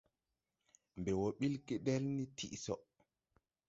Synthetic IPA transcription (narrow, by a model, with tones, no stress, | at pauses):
mbɛ˨wɔɓi˦lki˨dɛ˦lni˦tʰḭ˦ʔsɔ